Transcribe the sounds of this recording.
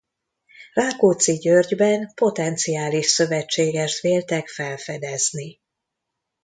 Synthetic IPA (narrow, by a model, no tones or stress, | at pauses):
raːkoːt̪siɟørɟbɛnpo̞t̪ɛnt̪sijaːliʃsø̞vɛt͡ʃːeːɡɛʃt̪ʋeːlt̪ɛkfɛlfɛd̪ɛzni